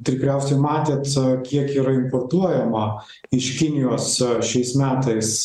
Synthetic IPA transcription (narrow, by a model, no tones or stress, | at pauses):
t̪ʲɪɾʲɪkɾʲɛʊsʲɛɪmɑːt̪ʲeːt̪kʲiɛkiːɾɐɪmpoːrt̪uɔjɛmɐ | ɪʃkʲɪnʲɪjoːsʃʲɛɪsmʲæːt̪ɐɪs